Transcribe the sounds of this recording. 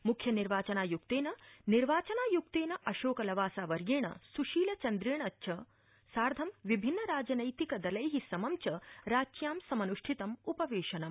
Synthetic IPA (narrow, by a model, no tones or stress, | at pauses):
mukʰjɐniɾʋaːt͡ʃɐnaːjuk̚t̪eːnɐniɾʋaːt͡ʃɐnaːjuk̚t̪eːnɐʔɐʃoːkɐlɐʋaːsaːʋɐɾɡeːɳɐ̰suʃiːlɐt͡ʃɐnd̪ɾeːɳɐtːʃʰɐ | saːɾd̪ʱɐmʋibʱinːɐɾaːd͡ʒɐnɐjt̪ikɐd̪ɐlɐjɦisɐmɐmt͡ʃɐɾaːt͡ʃjaːmsɐmɐnuʂʈʰit̪ɐmupɐʋeːʃɐnɐm